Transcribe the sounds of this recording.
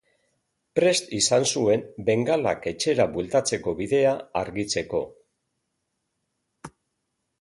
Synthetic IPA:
pɾe̞st̪isansue̞mbe̞ŋɡala̰ke̞t͡ʃe̞ɾaβwelt̪at͡se̞ko̞βiðe̞aaɾɣit͡se̞ko̞

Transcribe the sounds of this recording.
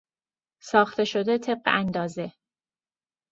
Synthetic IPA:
sɒːxt̪e̞ʃo̞d̪e̞t̪ʰe̞b̚ɢḛʔænd̪ɒːze̞

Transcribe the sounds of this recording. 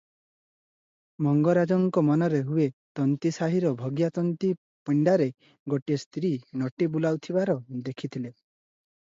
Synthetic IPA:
mɔŋɡɔɾad͡ʒɔŋkɔmɔnɔɾeɦuet̪ɔnt̪isaɦiɾɔbʱɔɡjat̪ɔnt̪i | piɳɖaɾe | ɡoʈiest̪ɾinɔʈibulawt̪ʰibaɾɔd̪ekʰit̪ʰile

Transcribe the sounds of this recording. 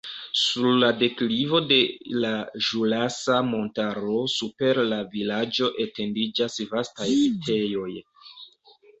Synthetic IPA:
suɾlade̞klivo̞de̞laʒulasamo̞ntaɾo̞supe̞ɾlavilad͡ʒo̞ʔe̞te̞ndid͡ʒasvastajitʰe̞jo̞j

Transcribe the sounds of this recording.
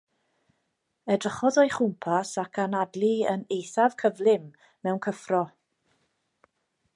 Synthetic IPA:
ɛdrəχɔðɔjχʊmpʰasakʰanadlˠiə̰nejθav̥kʰəvlɪm | mɛwnkʰəfrɔ

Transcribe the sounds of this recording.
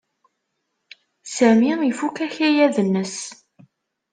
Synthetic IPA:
sæmiifukæçijæðənːəs

